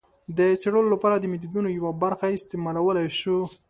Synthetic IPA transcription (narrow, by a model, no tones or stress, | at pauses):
d̪ət͡ʃeɽəlolapɑɾad̪əmɪd̪id̪unojawabaɾxaɪst̪ɪmɑlawəlajʃu